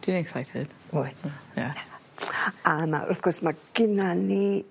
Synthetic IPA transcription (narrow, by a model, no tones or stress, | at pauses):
d̥iniɛksajtʰɨ̰d̥oθja̰ | ama̰ʔʊθɡ̥ɔrsmaɡ̥ɪnani